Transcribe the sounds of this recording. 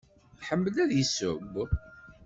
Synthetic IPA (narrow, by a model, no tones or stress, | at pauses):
ħəmːəlæðjisʊb